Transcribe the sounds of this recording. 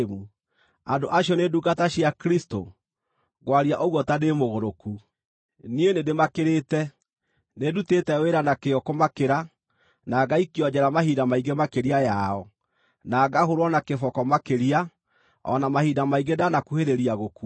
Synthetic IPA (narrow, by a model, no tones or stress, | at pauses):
mu | andoʔaɕjɔneduɡataɕiakɾisto̰ | ɣwaɾiaʔɔɣwɔtademoɣoɾoku | nienedemakeɾetɛ | nedutetɛweɾanakeɔkomakeɾa | naɡaikiɔɲd͡ʑɛɾamahidamaiɡemakeɾiajaɔ | naɡaɦoɾwɔnakefɔkɔmakeɾia | ɔ̰namahidamaiɡedanakuheɾeɾiaɣoku